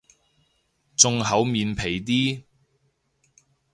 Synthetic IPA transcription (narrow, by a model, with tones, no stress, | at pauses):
t͡sʊ˧ŋɦɐ˨˥wmiː˨˧npʰe˨˩jt̪iː˥